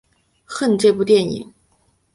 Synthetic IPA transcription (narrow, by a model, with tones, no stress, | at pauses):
xə˥˧nʈ͡ʂɤ˥˧p̬u˥˧t̪jɛ˥˩nḭ˨˩˦ŋ